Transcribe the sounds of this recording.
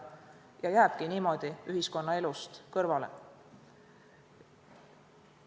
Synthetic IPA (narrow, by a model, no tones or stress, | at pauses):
jɑjæːb̥kiniːmo̞d̪̥iyɦisko̞nːɑe̞lust̪kɤrvɑlḛ